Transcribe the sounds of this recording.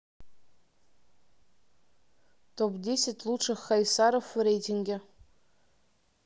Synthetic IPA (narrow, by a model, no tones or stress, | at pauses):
tʰopdʲesʲɪtʲlˠuʈ͡ʂɨχajsaɾofɨɾejtʲʰiŋɡʲe